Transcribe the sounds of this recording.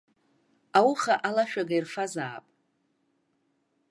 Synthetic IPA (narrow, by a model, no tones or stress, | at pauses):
awuχaʔalaʃᶣaɡajrfazaːpʼ